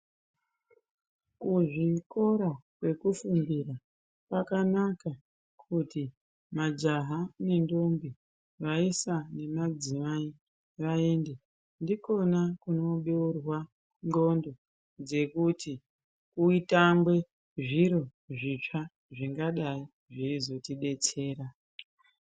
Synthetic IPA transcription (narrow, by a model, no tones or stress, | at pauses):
kuʐiko̞ɾakwe̞kufumbira | pakanaka | kʰuti | mad͡ʒaɦane̞ndo̞mbi | ʋaisane̞mad͡zimai | ʋaeːnde | ndiko̞nakuno̞ɓeurwa | ŋɡo̞ndo̞ | d͡ze̞kuti | kuitambwe̞ | ʐiɾo̞ | ʐit͡ʂa | ʐiŋɡaɗai | ʐeizo̞tiɗe̞t͡se̞ːɾa